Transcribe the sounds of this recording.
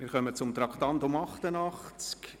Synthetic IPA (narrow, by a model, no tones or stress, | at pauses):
mɪɾχœmət͡sʊmt̪ɾɑktɑntʊmɑχt̪ənɑχt͡sk